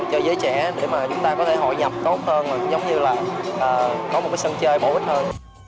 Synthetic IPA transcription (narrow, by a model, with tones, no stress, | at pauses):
t͡ɕɔ˧zəː˨˦jt͡ɕɛ̰˧˩ɗe˧˩maː˨˩t͡ɕʊ˨˦ŋ͡mt̪aː˧kɔ˨˦t̪ʰe˧˩ɦɔ̰˧˨jɲə˨˩p̚t̪o˦˥t̚həː˧nmaː˨˩zə˨˦wŋ͡mɲɨ˧laː˨˩ʔəː˨˩kɔ˨˦m̚˨˩ka˨˦sə˧nt͡ɕəː˧jɓo˧˩ʔt̚həː˧n